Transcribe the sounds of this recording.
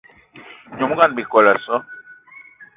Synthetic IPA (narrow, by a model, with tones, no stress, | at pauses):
ɲɔ˨mu˦ɡa˦nbi˨kɔ˨la˨sɔ˦